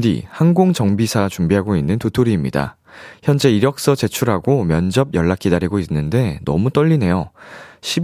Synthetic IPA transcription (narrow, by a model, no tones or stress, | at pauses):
dḭhanɡoŋt͡ɕʌŋbisʰat͡ɕumbiɦaɡoinːɯntotʰoɾiːmɲḭda̰ | çjʌnd͡ʑe̞iɾjʌk̚s͈ʌt͡ɕe̞t͡ɕʰuɾɦaɡomjʌnd͡ʑʌb̚jʌɭːak͈ʰidaɾiɡoinːɯnde̞nʌ̰mut͈ʌʎːine̞joɕʰib